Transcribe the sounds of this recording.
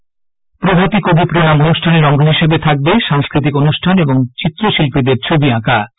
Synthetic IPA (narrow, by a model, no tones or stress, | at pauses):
pɾobʱap̪ikobipɾonamonuʃʈʰaneɾɔŋɡʱoɦiʃebet̪ʰak̚beʃaŋskɾit̪ikonuʃʈʰaneboŋt͡ɕit̪ːɾoʃilpid̪eɾt͡ɕʰobiãka